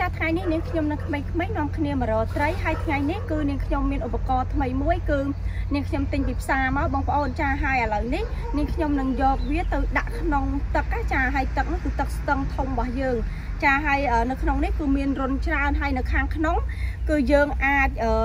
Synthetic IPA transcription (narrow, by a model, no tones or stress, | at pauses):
t͡ɕaːt̪ʰŋajnihniəŋkʰɲomnɨŋk̪ʰmeːŋkʰmeːjnŏəmkʰniəmə̆ɾɔːlt̪rəjɦaəjt̪ʰŋajnihkɨːniəŋkʰɲomːiənʔupːakɑːt̪ʰməjmuəjkɨː | niəŋkʰɲomt̪ɨɲpiːpʰsaːmaɔwɓɑːŋpə̆ʔoːn̚t͡ɕaːɦaəjʔəːləwnih | niəŋkʰɲomnɨŋjɔːk̚ʋiət̪ɨwɗaʔkʰnoŋt̪ɨk̚ʔaːt͡ɕaːɦaəjt̪ɨk̚nɨŋkɨːt̪ɨk̚st̪əŋt̪ʰumɓɑhjəːŋ | t͡ɕaːɦaəjʔəːnɨwkʰnoŋnihkɨːmiənrʊ̆ənt͡ɕraənɦaəjnɨwkʰaːnkʰnom | kɨːjəːŋʔaːc̚ʔəː